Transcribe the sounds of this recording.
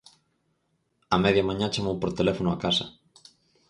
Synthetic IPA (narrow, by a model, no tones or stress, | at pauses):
ameðjamãɲat͡ʃamowpoɾt̪elefonʊakasɐ̰